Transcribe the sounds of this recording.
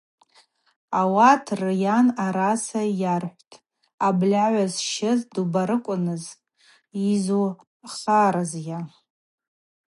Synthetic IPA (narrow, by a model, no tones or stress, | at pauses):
awatʰrɨjanaɾasajarħʷtʼ | ablʲaʕʷazʃɪzdubaɾɨkʷʼʊnɨz | izu | χaɾazja